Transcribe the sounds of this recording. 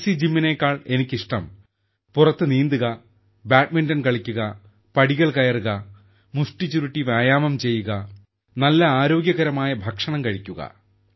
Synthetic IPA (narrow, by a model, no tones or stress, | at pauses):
sid͡ʑimːineːkːaːɭe̞nikʲːiʂʈɐm | purɐt̪ːɨniːnd̪uɣɐ | baːʈmindɐnkɐɭikʲːuɣɐ | pɐɽiɣɐɭkɐjɐruɣɐ | musʈit͡ɕːuɾiʈːiʋaːjaːmɐmt͡ɕe̞jːuɣɐ | nɐlːɐaːɾo̞ːɡjɐɣɐɾɐmaːjɐbʱɐkʂɐɳɐmkɐɻikʲːuɣɐ̰